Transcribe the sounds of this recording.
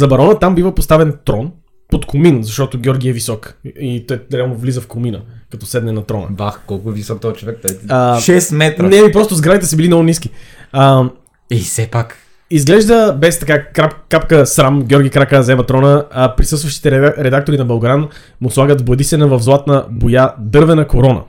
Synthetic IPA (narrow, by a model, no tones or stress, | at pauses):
zɐbɐɾɔnət̪ambivəpost̪avɛnt̪ɾɔn | pot̪kominzɐʃt̪ɔt̪oɡʲɔɾɡʲiɛvisɔkit̪ɔjɾʲalˠnovlizəfkʊminə̰kɐt̪ɔsɛd̪nɛnɐt̪ɾɔnə̰baxkɔlˠkʊɛvisɔk̚t̪ɔt͡ʃovɛk̚t̪oəʃɛsmɛt̪ɾənɛipɾɔst̪ʊzɡɾad̪it̪ɛsɐbilinɔɡʊnisk̟iə | isɛpak | izɡlɛʒd̪əbɛst̪ɐkakɾapkapkəsɾamɡʲjɔɾɡʲikɾakəzɛvɐt̪ɾɔnəpɾisɤst̪vəʃt̪i̥t̪ɛɾɛd̪ak̚t̪oɾinɐbɐlˠɡɾan | mʊslˠaɡəd̪vboɐd̪isɛnɐvɐvzlˠat̪nəbojad̪ɤɾvɛnɐkoɾɔnə̰